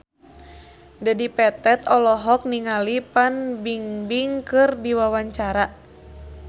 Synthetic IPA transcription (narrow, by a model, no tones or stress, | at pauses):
dadipɛt̪ɛt̪ɔlɔɦɔk̚niŋalipanbiŋbiŋkɨrdiwawaɲt͡ʃaɾa